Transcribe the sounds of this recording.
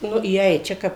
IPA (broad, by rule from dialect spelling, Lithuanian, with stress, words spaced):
ˈnʊ iːˈɛɪt ˈt͡ʃʲɛ kɐp